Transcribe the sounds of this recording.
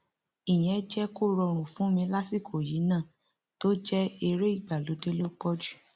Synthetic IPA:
i˨j̃ɛ̃˨˦d͡ʒɛ˦ko˦˨ɾɔ˧ɾ̃ũ˨fũ˦mĩ˧la˦si˦˨kʰo˨ji˨˦nãː˦˨ | to˦d͡ʒɛ˦e˧ɾe˦i˦˨ɡ͡ba˨lo˨˦de˦lo˦kɔ˦d͡ʒu̥˦˨

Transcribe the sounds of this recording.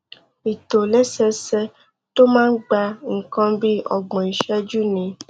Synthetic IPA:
i˨to˨lɛ˦sɛ˧sɛ˦ | to˦mãː˦n̩˦ɡ͡ba˧ŋ̩˨kã˦bi˦ɔ̰˨ɡ͡bɔ̃˨i˨ʃɛ˦d͡ʒu˦nĩ˧˦

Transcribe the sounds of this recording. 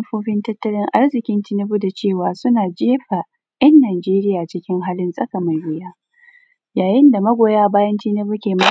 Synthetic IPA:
ɸoː˦ɸɪ˦ntɐ˦tːɐ˦lɪ˦ŋʔa˦rzɪ˨kʲɪ˦ntɪ˦nɪ˦ɸʊ˦da˨t͡ʃeː˦˨waː˨sʊ˦naː˨d͡ʒeː˦ɸa˨ | ʔɛ˦nːaː˨d͡ʒeː˦ɾɪ˦jaː˨t͡ʃɪ˦kʲɪ˦ŋɦaː˦lɪ˦nsʼɐ˦ka˨ma˨jɾɪ˦jaː˦ | jaː˨jɪ˦nda˨mɐ˦ɡʷoː˨jaː˦baː˦jɐ˦ntiː˦nɐ˦bʊ˦kʲeː˨ma˦

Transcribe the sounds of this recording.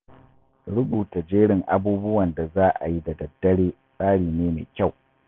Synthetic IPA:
ɽʊ˦buː˨ta˨d͡ʒeː˦ɽɪ˨ŋʔa˦buː˦bʊ˦wɐ˨nda˨zaː˦ʔa̰˨ji˦da˨dɐ˨dːɐ˦ɽeː˦ | sʼaː˦ɽiː˨neː˦mḛː˨kʲa˦˨w

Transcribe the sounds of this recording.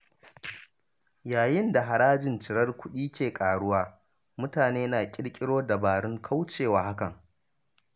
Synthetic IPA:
jaː˨jɪ˦nda˨ɦa˨ɾaː˦d͡ʒɪ˨nt͡ʃɪ˨ɾɐ˦rkʷʊ˦ɗiː˦kʲeː˨kʼaː˨ɽʊ˦waː˦ | mʊ˦taː˨neː˦naː˨kʲʼɪ˦ɽkʲʼɪ˦ɽoː˦da˨baː˨ɽʊ˦ŋkʰa˦wt͡ʃeː˨waː˨ha˦kɐ˨ŋ

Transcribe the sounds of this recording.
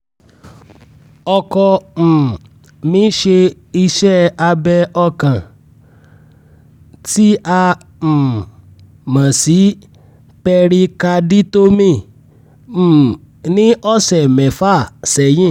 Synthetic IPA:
ɔ˧kɔ˧m̩˨ | mĩ˨˦ʃe˧ | i˧ʃɛ˦˨a˧bɛ˧ɔ˧kã˨ | ti˦a˧ | m̩˨ | mã˨si˨˦ | pɛ˧ɾi˧ka˧di˦to˦mĩ˦˨ | nĩ˦ʔɔ˦sɛ˨mɛ̃˨fa˦˨sɛ˨jĩ˦˨

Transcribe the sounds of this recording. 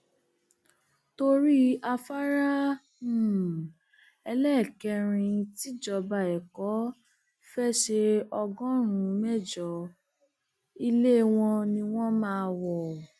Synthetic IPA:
to˧ɾi˦a˧fa˦ɾã˦˨ | ɛ˧lɛ˦˨kɛ˧ɾ̃ĩ˧ti˦d͡ʒɔ˧˨ba˨ɛ˨kɔ˨˦ | fɛ˦ʃe˧ɔ˧ɡɔ̃˦ɾ̃ũ˨˦mɛ˦˨d͡ʒɔ˨˦ | i˧le˦˨w̃ɔ̃˧nĩ˧w̃ɔ̃˦mãː˦˧wɔ˨

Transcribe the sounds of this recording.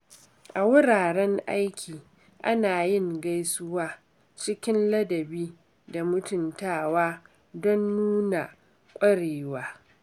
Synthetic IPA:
ʔa˨wʊ˦ɽaː˨ɾɛ˦ŋʔa̰˦jkʲʰiː˨ | ʔa˦naː˨jɪ˦˨ŋɡa˦jsʊ˦waː˦ | t͡ʃɪ˦kʲɪ˦nlɐ˦dɐ˨biː˦ | da˨mʊ˦tʊ˨ntaː˦waː˦ | dɔ˦nːuː˦na˨ | kʷʼɐ˦ɽeː˨waː˦

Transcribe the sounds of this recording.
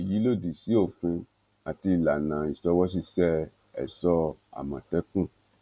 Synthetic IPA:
ji˨˦lo˦˨di˨si˨˦o˦˨fũ˧ | a˨ti˧˨la˨nãː˨i˨sɔ˧wɔ˦s̬i˦˨sɛ˦ | ɛ̰˨sɔ˧a̰˨mã˨tɛ˦kũ˦˨

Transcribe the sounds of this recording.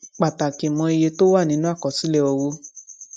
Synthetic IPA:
k͡pa˨ta˨ke˨mɔ̃˧i˧je˧to˦wa˦˨nĩ˨˦nũ˦a˦˨kɔ˨si˨˦lɛ˦˨o˧wo˦

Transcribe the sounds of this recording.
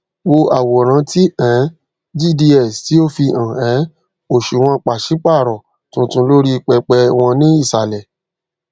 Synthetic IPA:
wo˧a˨wɔ˨ɾ̃ã˨˦ti˦ɛ̃˨˦ | d͡ʒi˦˨di˧ɛ˦˨sti˨˦o˦fi˧ʔã˨ɛ̃˨˦ | o˦˨ʃu˨w̃ɔ̃˧k͡pa˨ʃi˨˦k͡pa˦˨ɾɔ˨ | tũ˧˦tũ˧˦lo˦ɾi˦˧k͡pɛ˧k͡pɛ˧w̃ɔ̃˧nĩ˦i˦˨sa˨lɛ˨

